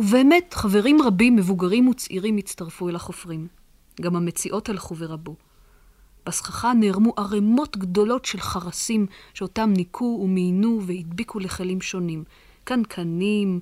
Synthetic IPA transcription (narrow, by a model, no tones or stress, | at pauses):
uveːmetχave̞ʁimʁabimːevuɡaʁimut͡sʔiʁimit͡staʁfuelaχofʁim | ɡamame̞t͡siʔo̞talχuveʁabu | b̥asχaχaneːʁmuʔaʁemo̞tɡdo̞lo̞tʃe̞lχaʁasimʃeo̞tamnikʰuːmeinuvehidbikʰuleχelimʃo̞nim | kankʰanim